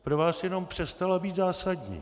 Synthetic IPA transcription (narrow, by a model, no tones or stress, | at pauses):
pɾovaːsjɛno̞mpr̝̥ɛst̪alabiːt̪zaːsadɲḭː